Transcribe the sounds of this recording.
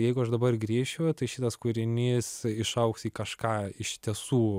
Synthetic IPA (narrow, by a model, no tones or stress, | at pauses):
jɛɪɡʊɐʃd̪ɐbɐrɡɾʲiɛʃʲɛʊt̪ɐɪʃʲɪt̪ɐskʊɾʲɪnʲɪsɪʃɐʊksiːkɐʃkɑːɪʃt̪ʲiɛsuː